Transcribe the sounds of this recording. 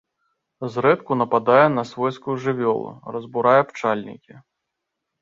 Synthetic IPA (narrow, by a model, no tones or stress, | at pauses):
zɾɛt̪kunɐpad̪ajɛnɐsvɔjskuʐɨvʲɔlˠṵrɐzbuɾajɛpt͡ʂalʲnʲḭkʲi